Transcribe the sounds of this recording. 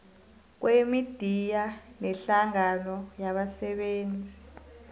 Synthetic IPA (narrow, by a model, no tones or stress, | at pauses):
k̬wemid̥ʱijanɛɬaŋanɔjaɓasɛɓeːnd͡zʱi